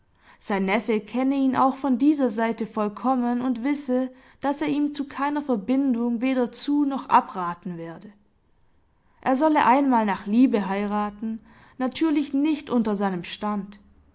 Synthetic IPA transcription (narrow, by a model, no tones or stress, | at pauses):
z̥aɪnːɛfəkʰɛnəiːnʔa̰ʊxfɔndiːzɐzaɪtəfɔlkʰɔmənʊntv̥ɪsə | d̥aseːɐiːmt͡sukʰaɪnɐfɛɐbɪndʊŋveːɾɐt͡suːnɔχʔa̰pʁaːtn̩vɛːɐdə | ʔeːɐzɔləʔaɪnmaːlnaːχliːbəɦaɪʁaːtn̩ | natʰyːɐlɪçnɪçtʔʊntɐzaɪnəmʃtant